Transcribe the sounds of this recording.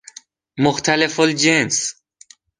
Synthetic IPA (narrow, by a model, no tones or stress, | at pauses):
moxt̪ʰælefold͡ʒens